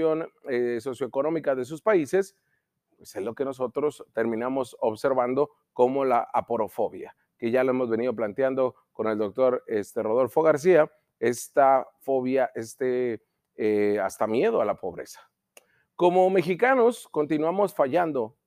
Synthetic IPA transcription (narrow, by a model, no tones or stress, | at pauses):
o̞neso̞sjo̞eko̞no̞mikaðe̞s̬uspaise̞s | pwe̞sezlo̞ke̞no̞so̞t̪ɾo̞st̪e̞ɾmĩnamo̞soβse̞ɾβand̪o̞ | ko̞mo̞laʔa̰po̞ɾo̞fo̞βja̰ | ke̞ʝalo̞e̞mo̞zβe̞nið̞o̞p̬lant̪jand̪o̞ | ko̞ne̞ld̪o̞k̚t̪o̞ɾest̪ero̞ð̞o̞lfo̞ɣaɾs̬ia | e̞st̪afo̞βjaʔest̪e | ast̪amje̞ð̞o̞alapo̞β̞ɾe̞̰sḁ | ko̞mo̞me̞xikano̞sko̞nt̪inwamo̞sfaʝand̪o̞